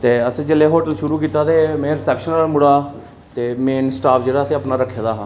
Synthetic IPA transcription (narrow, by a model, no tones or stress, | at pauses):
t̪eːəsĩːd͡ʒəleːɦoːʈəlʃʊɾuːkiːt̪aːt̪eːmẽːɾɪsɛːpʃənɾaːlmʊɽaː | t̪eːmeːnsʈaːpʰd͡ʒeːɽaːsĩːəpnaːɾəkʰːeːd̪aːɦãː